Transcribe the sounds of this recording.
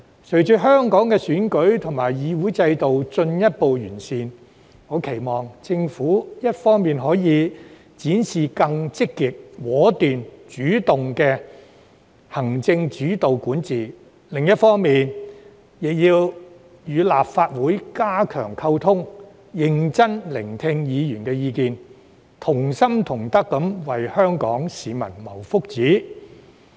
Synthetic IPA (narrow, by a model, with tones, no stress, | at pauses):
sʰɵ˨˩ɥt͡ʃyː˨˥ɦœː˥ŋkɔː˨˥ŋkɛː˧syː˨˥nkɵ˨˥ɥt̪ʰʊ˨˩ŋmaː˨˩jjiː˨˥wuː˨˥jt͡sɐ˧jt̪o˨wt͡sɵ˧njɐ˥t̚po˨˧wjyː˨˩nsiː˧n | ŋɔː˨˧kʰe˨˩jmɔː˨˩ŋt͡sɪ˧ŋfuː˨˥jɐ˥t̚fɔː˥ŋmiː˨nɦɔː˨˥jiː˨˧ | t͡siː˨˥nsiː˨kɐ˧ŋt͡sɪ˥kːiː˨t̚wɔː˨˥t̪yː˨nt͡ʃyː˨˥t̪ʊ˨ŋkɛː˧ | hɐ˨˩ŋt͡sɪ˧ŋt͡ʃyː˨˥t̪o˨wkuː˨˥nt͡siː˨ | lɪ˨ŋjɐ˥t̚fɔː˥ŋmiː˨n | jɪ˨k̚jiː˧w | jyː˨˧laː˨p̚faː˧t̚wuː˨˥jkaː˥kʰœ̰ː˨˩ŋkʰɐ˧wt̪ʰʊ˥ŋ | jɪ˨ŋt͡sɐ˥nlɪ˨˩ŋt̪ʰɪ˧ŋjiː˨˧jyː˨˩nkɛː˧jiː˧kiː˨n | t̪ʰʊ˨˩ŋsɐ˥mt̪ʰʊ˨˩ŋt̪ɐ˥kːɐ˨˥mwɐ˨jhœː˥ŋkɔ̰ː˨˥ŋsiː˨mɐ˨˩nmɐ˨˩wfʊ˥k̚t͡siː˨˥